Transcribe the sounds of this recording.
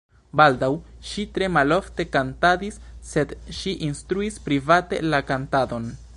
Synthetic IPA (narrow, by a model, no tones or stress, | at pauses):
baldawʃitɾe̞malo̞fte̞kantadisːe̞dʃiʔinstɾuispɾivate̞̰lakantado̞n